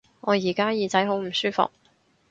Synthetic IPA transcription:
ŋɔː˨˧jiː˨˩kaː˥jiː˨˧t͡sɐ˨˥jɦo˨˥wm̩˨˩syː˥fʊ̰˨k̚

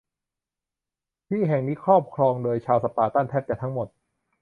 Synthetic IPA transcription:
p̪ʰiː˥˩ɦɛ˨˩ŋniː˦˥kʰɾɔː˥˩p̚kʰɾɔː˧ŋdoː˧jt͡ɕʰaː˧wsa˧˩paː˧t̪aː˥˩nt̪ʰɛː˥˩p̚t͡ɕa˨˩t̪ʰa˦˥ŋmo˨˩t̪̚

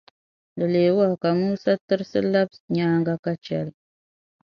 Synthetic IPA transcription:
dɨ˨leː˨wa˦˨ka˨muː˦sa˦tɨ˦ɾsɨ˦la˦bɲaː˦ŋɡa˦ka˦t͡ʃɛ˨l

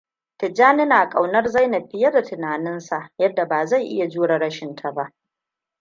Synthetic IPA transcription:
tɪ˨d͡ʒaː˦nɪ˦naː˨kʼa˨wnɐ˦rza˦˨jna˨ɸɪ˦jɐ˦da˨tɪ˨naː˨nɪ˦nsa˨ʔjɐ˦dːa˨baː˨za˦˨jʔɪ̰˦ja˨d͡ʒuː˦ɽa˨ɽɐ˦ʃɪ˨ntʰa˨ba˦ʔ

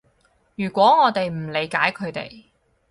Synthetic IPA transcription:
jyː˨˩kʷɔː˨˥ŋɔː˨˧t̪e˨jm̩˨˩le˨˧jkaː˨˥jkʰɵ˨˧ɥt̪ḛ˨j

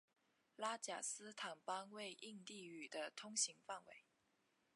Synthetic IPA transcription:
la˥t͡ɕja̰˨˩sɹ̩˥t̪ʰa˨˩ŋpa˥ŋwe˥˧ɪʔi˥˧ŋt̪i˥˩y˨˩d̪ə˦t̪ʰʊ˥ŋɕi˧˥ŋfa˥˩nwe˧˦ɪ

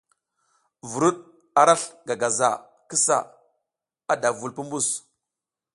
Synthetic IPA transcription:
vu˨ɾu˦ɗ | a˨ɾa˦ɬɡa˨ɡa˨za̰˨ | ki˦sa̰˨ | a˦da˨vu˨lpu˦mbu˦˨s

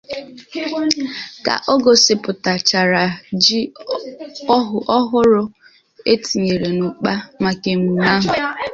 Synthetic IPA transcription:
ka̰˨ʔo˦ɡo˨sɪ˨pʊ˨ta˨t͡ʃa˨ɾa˨d͡ʒi˦ | ɦʊ˨ʔɔ˦ɦʊ˦ɾʊ˦ | e˦ti˨ɲe˨ɾe˨nʊ˨k͡pa˦ma˨ke˨mu˨na˦ɦʊ˨

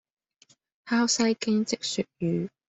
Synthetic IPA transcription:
haː˥wsɐ˥jkɪ˥ŋt͡sɪ˥k̚sy˨t̚jyː˨˧

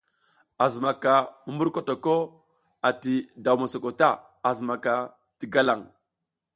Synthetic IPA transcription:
a˨zma˨ka˨mu˦mbu˦ɾko˦to˨ko˦ | a˨ti˨da˨wma˨so˨ko˨ta˦ | a˨zma˨ka˨ | ti˨ɡa˦la˨ŋ

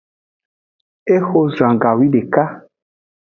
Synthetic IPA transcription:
e˦xo˦zã˨ɡa˨wi˦ɖe˨ka˦

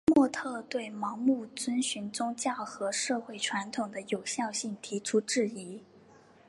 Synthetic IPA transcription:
mwɔ˥˧t̪ʰɤ˥˧t̪we˥˩ɪmɑ˧˥ŋmu˥˩t͡swə˥nɕy˧˥nt͡sʊ˥ŋt͡ɕjɑ˥˩ʊxɤ˧˥ʂɤ˥˧xwe˥˩ɪʈ͡ʂʰwa˧˥nt̪ʰʊ˨˩ŋd̪ə˦jo˨˩ʊɕjɑ˥˧ʊɕi˥˩ŋt̪ʰi˧˥ʈ͡ʂʰu˥ʈ͡ʂɻ̩˥˩i˧˥

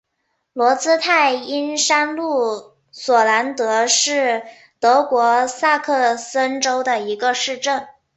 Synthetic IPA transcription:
lwɔ˧˥t͡sɹ̩˥t̪ʰa˥˩ɪi˥nʂa˥nlu˥˩ | swɔ˨˩la˧˥nt̪ɤ˧˥ʂɻ̩˥˩ | t̪ɤ˧˥kwɔ˧˥sa˥˧kʰɤ˥˧sə˥nʈ͡ʂo˥ʊd̪ə˨i˧˥ɡə˧ʂɻ̩˥˧ʈ͡ʂə˥˩n

